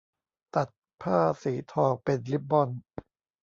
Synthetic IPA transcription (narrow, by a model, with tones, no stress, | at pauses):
t̪a˨˩t̪̚ | pʰaː˥˩siː˩˦t̪ʰɔː˧ŋpe˧nli˦˥p̚bɔ˧˩n